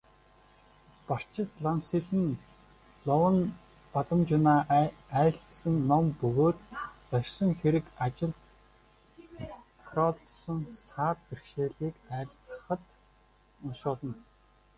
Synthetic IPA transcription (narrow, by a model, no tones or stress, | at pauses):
par̥t͡ɕɪ̆t̪ɮamsiɮɘ̆n | ɮɔwə̆n | pat̪ə̆mt͡ɕʊnaːæːɬt̪sɘ̆ŋːɔmpɵɣoːt̪t͡sɔrʲsɞ̆ŋxeɾɘ̆kat͡ɕɪ̆ɮt̪ | t̪ʰaɾɔːɮt̪sɞ̆ŋsaːt̪̚perʃeːɮiːkæːɮə̥̆χə̆t̪ | ʊnsʊːɮɞ̆n